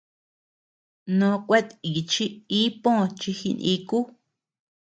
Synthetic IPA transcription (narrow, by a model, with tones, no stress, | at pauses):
nõ˧kʷe˦t̪i˨t͡ʃi˦i˦põ˦˨˧t͡ʃi˧xi˧nḭ̃˧˦ku˦